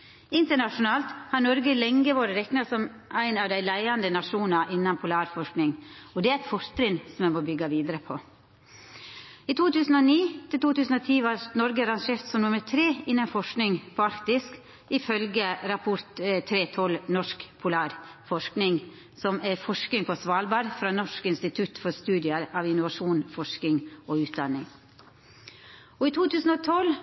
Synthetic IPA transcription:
ɪnt̪əɳɑʂʊnɑːlt̪hɑɾnɔɾɡəlɛŋɡəʋoːɾəɾɛknɑsɔm | ʔæɪnɑʋd̪æɪlæɪɑnd̪ənɑʂuːnɑʔɪnːɑnpʰʊlɑːɾfɔʂknɪŋɔd̪ɛæɾæt̪fɔɾt̪ɾɪnsɔmɛmɔbʏɡːɑʋiːd̪əɾəpʰɔ | it̪ʰuːt̪ʉːsn̩ɔniːt̪ʰɪlt̪uːt̪ʉːsn̩ɔt̪ʰiːʋɑɾnɔɾɡəɑɾɑŋʂeːɾt̪sɔmnʊməɾt̪ʰɾeːɪnːənfɔʂknɪŋpʰɔɑɾkt̪ɪsk | ɪfœlɡəɾɑpʰʊɾt̪t̪ʰɾeːt̪ʰɔlnɔʂkpʰʊlɑːɾfɔʂknɪŋ | sɔmæfɔʂkɪŋpʰɔsʋɑːlbɑːɾfɾɑːnɔʂkɪnst̪ɪt̪ʰʉt̪fɔɾst̪ʉːd̪ɪəɾɑːʋɪnʊʋɑʂuːnfɔʂkɪŋʔɔʉːt̪̚d̪ɑnːɪŋ | ɔɪt̪ʰuːt̪ʰʉːsn̩ɔt̪ʰɔl

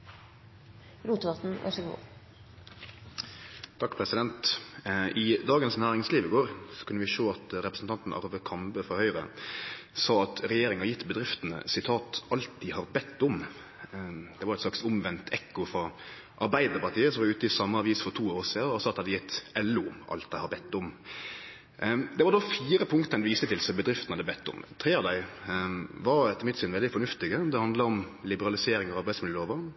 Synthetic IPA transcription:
ɾuːt̪ʋɑt̪n̩ʋæ̰ʂɪɡṵː | t̪ʰɑkːpʰɾɛsɪd̪ɛnt̪ʔɪd̪ɑːɡənsnæːɾɪŋsliːʋəɡoːɾsɔ̥kʰʉnːəʋɪʃoːɑt̪ɾɛpɾəsn̩t̪ɑnt̪n̩ɑ̰ɾʋəkʰɑmbəfɔhœʏɾə̰ | sɑːɑt̪ɾɛjeːɾɪŋɑjɪt̪ːbəd̪ɾɪft̪ənə̰sɪt̪ʰɑːt̪ʔɑlt̪d̪ɪhɑʁbɛt̪ːʊm | d̪̥ɛʋɑɾɛt̪slɑksʊmʋɛnt̪ʰɛkːʊfɾɑ | ʔɑɾbæɪd̪əɾpɑɾt̪ʰiːəsɔmɑd̪ʉːt̪jɪsɑmːəɑʋiːsfɔɾt̪ʰuːoːsiːɔsɑːt̪hɑd̪ɪjɪt̪ːɛlːʉʔɑ̰lt̪̚d̪æɪhɑbɛt̪ːʊm | d̪ɛʋɑɾd̪ɔfiːɾəpʰʊŋkt̪əɛnʋiːst̪ət̪ɪlsɔbəd̪ɾɪft̪nəhɑd̪əbɛt̪ʰːʊ̰mt̪ʰɾeːɑʋd̪æɪ | ʋɑɾɛt̪ːəmɪt̪ːsɪnʋɛld̪ɪfɔnʉft̪ɪɡəd̪ɛhɑnd̪ləɾɔm | lɪbəɾɑlɪseːɾɪŋɔɑɾbæɪsmɪləloːʋə

